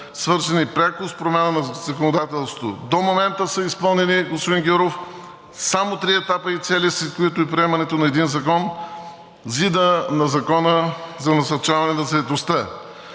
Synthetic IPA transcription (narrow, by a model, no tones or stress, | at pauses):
svɤɾzɐnipɾʲakʊspɾomʲjanənɐzɐkonod̪at̪ɛlˠst̪o̥t̪o̰d̪omomɛnt̪əsəispɤlˠnɛniɡospod̪inɡʲoɾof | samot̪ɾiɛt̪apəit̪sɛlʲisit̪koit̪ʊipɾiɛmɐnɛt̪onɐɛd̪inzɐkɔn | zid̪ənɐzɐkɔnəzɐnɐsɐɾt͡ʃavɐnɛnɐzɐɛt̪ost̪ə